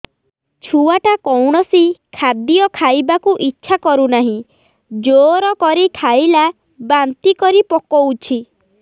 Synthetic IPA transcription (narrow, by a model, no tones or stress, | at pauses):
t͡ʃʰuaʈakɔwɽ̃ɔsikʰad̪ijɔkʰajbakuʔitːʃʰakɔɾunaɦĩ | d͡ʒoɾɔkɔɾikʰajla | bant̪ikɔɾipɔkɔut͡ʃʰi